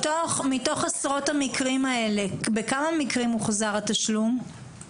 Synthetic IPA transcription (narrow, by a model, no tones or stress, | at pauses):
oχmito̞χasʁo̞thamikʁimɐe̞lebe̞kamamikʁimuχazaʁataʃlum